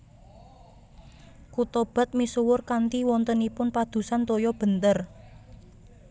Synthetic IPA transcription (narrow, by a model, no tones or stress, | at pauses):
kut̪ɔb̥a̤t̪̚misuwʊrkant̪iwɔnt̪ənipʊnpad̪̥ṳsant̪ojɔb̥ə̤nt̪ər